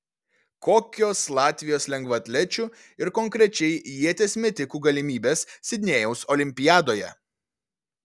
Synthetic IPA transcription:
koːkʲoːslˠɑːt̪ʲʋʲɪjoːslʲɛŋɡʋɐt̪ʲlʲɛt͡ʃʲu | ɪɾkɔŋkɾʲɛt͡ʃʲɛɪjiɛt̪ʲeːsʲmʲɛt̪ʲɪkuːɡɐlʲɪmʲiːbʲeːssʲɪd̪ʲnʲeːjɛʊsɔlʲɪmʲpʲɪjæːd̪oːjɛ̰

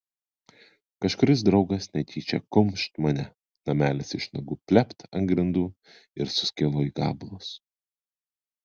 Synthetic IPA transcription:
kɐʃkʊɾʲɪs̬d̪ɾɒʊɡɐsnʲɛt̪ʲiːt͡ʃʲɛ̰kʊmʃt̪mɐnʲɛ | nɐmʲæːlʲɪsɪʃnɐɡʊpʲlʲɛpt̪ɐŋɡɾʲɪnd̪uː | ɪɾsʊ̥sʲkʲɪlˠoːiːɡɑ̰ːblˠos

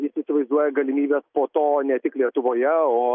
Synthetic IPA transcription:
jɪsɪsʲɪʋɐɪzd̪uɔjɛɡɐlʲɪmʲiːbʲeːspoːt̪oːnʲɛt̪ʲɪklʲiɛt̪ʊʋoːjɛoː

